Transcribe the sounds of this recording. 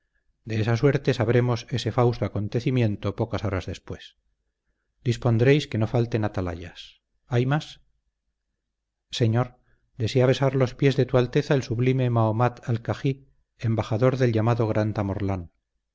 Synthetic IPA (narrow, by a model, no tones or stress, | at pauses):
d̪e̞esaswe̞ɾt̪e̞saβ̞ɾe̞mo̞se̞se̞fawst̪oako̞nt̪e̞θimjẽ̞nt̪o̞po̞kaso̞ɾazðe̞spwe̞s | d̪̥ispo̞nd̪ɾe̞jske̞no̞falt̪e̞nat̪ala̰ʎa̰s | ajmas | se̞ɲo̞ɾ | d̪e̞seaβ̞e̞saɾlo̞spje̞zðe̞t̪ualt̪e̞θaelsuβlime̞maomat̪alkaxi | embaχaðo̞ɾðe̞lʎamaðo̞ɣɾant̪amo̞ɾlan